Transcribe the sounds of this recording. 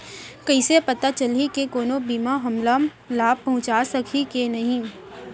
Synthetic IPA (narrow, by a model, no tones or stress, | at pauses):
kɐisepɐt̪at͡ʃɐlikekoːnobiːmaɦɐmlam | laːb̚pɐɦʊ̃t͡ʃaːsɐkʰikenɐɦĩː